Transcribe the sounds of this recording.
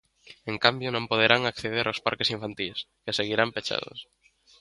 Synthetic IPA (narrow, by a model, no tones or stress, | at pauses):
eŋkambjonõmpoð̞eɾaŋakθeð̞eɾʔawspa̰ɾkesiɱfant̪is | keaseɣiɾampet͡ʃa̰ð̞o̰s